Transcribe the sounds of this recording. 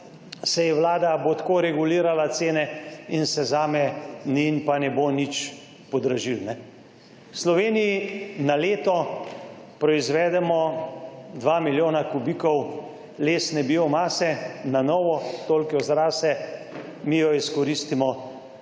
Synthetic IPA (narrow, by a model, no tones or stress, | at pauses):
sɛjɛʋlaːd̪abot̪koɾɛɡuliːɾalat̪seːnɛinsɛzaːmɛninpanɛbonit͡ʃ | pɔd̪ɾaʒilnɛ | wslɔʋeːnijinaleːt̪ɔ | pɾɔizʋɛːd̪ɛmɔ | d̪ʋamiljoːnakubiːkɔw | leːsnɛbiomaːsɛnanɔːʋɔt̪olkɛɔzɾaːsɛ | mijɔiskɔɾiːst̪imɔ